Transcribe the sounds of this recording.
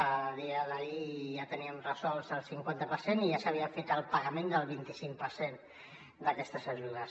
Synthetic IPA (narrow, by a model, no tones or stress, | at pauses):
əðiəðəiʒat̪əniəmrəzɔlˠzəlˠsiŋkwant̪əpəɾseniʒasəβiəfet̪əlˠpəɣəmẽnd̪əlˠβint̪isiŋkpəɾsen | d̪əkɛst̪əzəʒuðəs